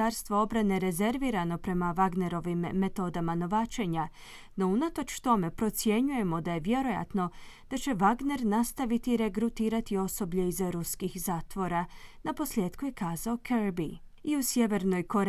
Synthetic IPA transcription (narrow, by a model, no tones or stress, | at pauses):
aɾst̪ʋoo̞bɾane̞ɾe̞ze̞ɾʋiːɾano̞pɾe̞maʋaɡne̞ɾo̞ʋimːe̞t̪o̞d̪amano̞ʋaːt͡ʃe̞ɲa | no̞unat̪o̞t͡ʃt̪o̞me̞pɾo̞t̪sje̞ɲuje̞mo̞d̪aje̞ʋje̞ɾo̞ja̰t̪no̞ | d̪̥at͡ʃe̞ʋaɡne̞ɾnast̪aʋit̪iɾe̞ɡɾut̪iːɾat̪io̞so̞bʎe̞izɾuskixzaːt̪ʋo̞ɾanapo̞slje̞ːd̪kuje̞kaːzao̞kʰeɾbi | iusje̞ʋe̞ɾno̞jko̞ɾ